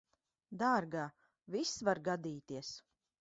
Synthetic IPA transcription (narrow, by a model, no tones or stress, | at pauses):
d̪aːɾɡaː | visvaɾɡad̪iːt̪iəs